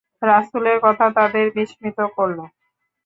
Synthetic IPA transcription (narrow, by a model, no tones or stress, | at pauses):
ɾaʃuleɾkɔt̪ʰat̪ʰad̪eɾbiʃmit̪okoɾːo